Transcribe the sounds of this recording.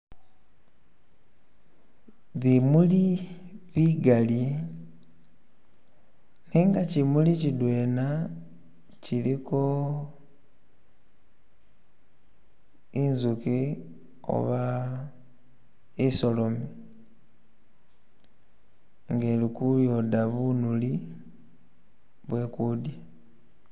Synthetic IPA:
βimuli | βiɡali | neŋɡacimulicidwe̞ːna | ciɾiko̞ | nzuki | o̰βa | iso̞lo̞mi | ŋɡe̞ːlikujo̞daβunuli | βwe̞ːkuːdje

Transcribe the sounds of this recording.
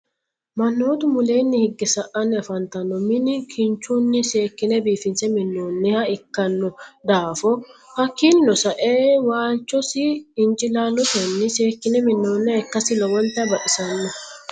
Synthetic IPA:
mɐnːoːt̪ʊmʊle̞ːnːɪhɪɡːɛsɐʔɐnːɪɐfɐnt̪ɐnːɔmɪnɪkʰɪnt͡ʃunːɪseːkːɪnɛbiːfɪnsɛmɪnːoːnːɪhɐɪkːɐnːɔd̪aːfɔhɐkːɪlnɔsɐʔeːwaːlt͡ʃːɔsɪːnt͡ʃʼɪlaːlːɔt̪ɛnːɪseːkːɪnɛmɪnːoːnːɛkːɐsɪlɔwɔnt̪ɐbɐʔɪsɐnːɔ

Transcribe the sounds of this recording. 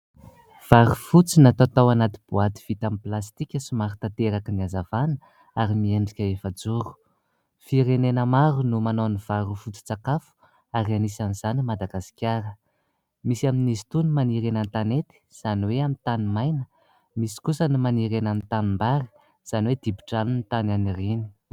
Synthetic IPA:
v̥aɾufut͡sinat̪at̪awanat̪ib̥uat̪i̥v̥it̪amplast̪ikʲəsumaɾut̪at̪eɾakəniazavanə | aɾimieɳɖ͡ʐikʲaefad͡zuɾu̥ | fiɾenenəmaɾunumanoniv̥aɾufut͡si̥t͡sakafu̥ | aɾianisaniz̥animad̪aɡasi̥kʲjaɾə | misiaminisi̥t̪unumaniɾenant̪anet̪i̥z̥aniweamint̪animajnə | misi̥kusənimaniɾenanit̪animbaɾi̥ | z̥aniwed̪ibi̥ʈ͡ʂanunit̪ananirini̥

